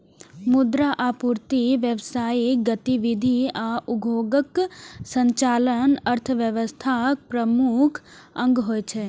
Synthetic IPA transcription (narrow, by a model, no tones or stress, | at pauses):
mʊd̪ɾaʔapuɾt̪iʋjəʋsaːiɡət̪iʋid̪ʱiaʔuɡʱoːɡəksə̃ɲt͡ʃaːlənəɾt̪ʰəʋjəʋəst̪ʰapɾəmukʰ | ə̃ŋɡɦoːjt͡ʃʰe